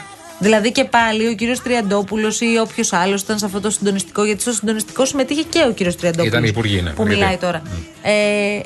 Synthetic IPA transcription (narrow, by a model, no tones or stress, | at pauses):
ðilɐðice̞pɐlio̞ciɾio̞st̪ɾiɐnd̪o̞pulo̞sio̞pço̞sɐlo̞si̥t̪ɐnsɐft̪ot̪osind̪o̞nist̪i̥ko̞ʝɐt̪i̥st̪osind̪o̞nist̪i̥ko̞sime̞t̪içe̞ce̞o̞ciɾiost̪ɾiɐnd̪o̞ut̪ɐspuɾʝḭn̰pumilɐit̪o̞ɾɐ | e